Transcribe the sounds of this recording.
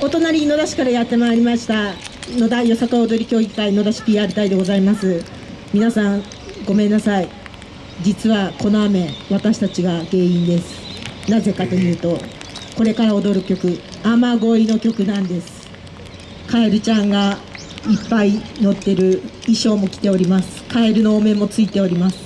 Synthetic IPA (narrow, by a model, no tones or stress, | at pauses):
o̞t̪o̞naɾʲino̞d̪aɕi̥kaɾajat̪ːe̞maːɾʲimaɕi̥t̪ano̞d̪ajo̞sakaod̪o̞ɾʲikʲo̞ːɡʲikaino̞d̪aɕi̥pʲiːaɾɯ̟t̪aid̪e̞ɡo̞zaimasɨ | mʲinasãŋ | ɡo̞mẽ̞nːasai | d͡ʑit͡sɨβako̞no̞ame̞βat̪aɕi̥t̪at͡ɕiɡaɡe̞ːĩnd̪e̞sɨ̥naze̞kat̪o̞jɯ̟ːt̪o̞ko̞ɾe̞kaɾao̞d̪o̞ɾɯ̟kʲo̞kɯ̟ | amaɡo̞ɾʲino̞kʲo̞kɯ̟nãnd̪e̞sɨ̥ | kaeɾɯ̟t͡ɕãŋɡa | ipːaino̞t̪ːe̞ɾɯ̟ | iɕo̞ːmo̞kʲi̥t̪e̞o̞ɾʲimasɨ̥kʰaeɾɯ̟no̞ːme̞mo̞t͡sɨit̪e̞o̞ɾʲimasɨ̥